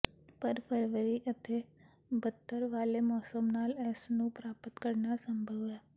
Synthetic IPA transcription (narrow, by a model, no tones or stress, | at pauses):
pəɾpʰəɾʋəɾiːʔət̪ʰeː | bət̪ːəɾʋaːleːmɔːsəmnaːlɛːsnũːpɾaːpət̪kəɾnaːsəmbʱəʋɛː